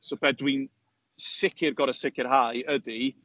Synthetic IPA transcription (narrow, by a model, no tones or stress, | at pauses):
sobɛdwin | sɪkʰɪrɡɔɾəsɪkʰɪrhajədi